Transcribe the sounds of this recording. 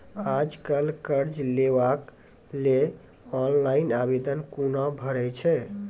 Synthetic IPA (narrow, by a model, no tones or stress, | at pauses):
ad͡ʒkəlkəɾd͡ʒleʋak | le | ɔnlainabed̪ənkunabʱəɽɛt͡ʃʰɛ